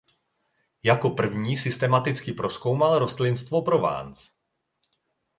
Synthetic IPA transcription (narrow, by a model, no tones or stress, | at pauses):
jako̞pr̩vɲiːsɪst̪ɛmat̪ɪt͡skɪpɾo̞sko̞wmalɾo̞st̪lɪnst̪vo̞pɾo̞va̰ːnt͡s